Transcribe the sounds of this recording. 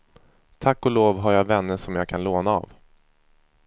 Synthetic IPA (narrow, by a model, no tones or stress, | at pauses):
t̪ʰakːɔloːvɦaɾjaːvɛnːəʂɔmjaːɡ̚kʰanloːnaa̰ːv